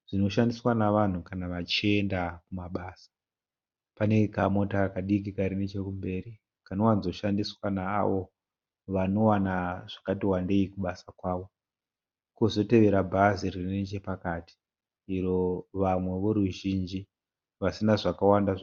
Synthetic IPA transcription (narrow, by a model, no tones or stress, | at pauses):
ʐ̥ino̞ʃandiswanaʋan̤ukanaʋat͡ʃie̞ndakumaɓaːsḁ | pane̞kamo̞takaɗik̬ikaɾinet͡ʃe̞kumbe̞ːɾi | kanowanzo̞ʃandiswana̰ːʋo̞ | ʋano̞wanaʐ̥akatiwande̞ikuɓasakwaːʋo̞ | kozo̞te̞ʋe̞ɾabʱaziririnet͡ʃe̞pakati̥ | iro̞ʋamwe̞ʋo̞ɾuʒind͡ʒi | ʋasinaʐakawanda